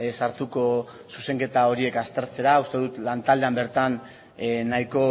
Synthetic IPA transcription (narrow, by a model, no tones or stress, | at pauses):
saɾt̪uko̞ | suse̞ŋke̞t̪ao̞ɾie̞kast̪e̞ɾt͡se̞ɾaust̪e̞ðut̪lant̪ald̪e̞ambe̞ɾt̪anː | ajko̞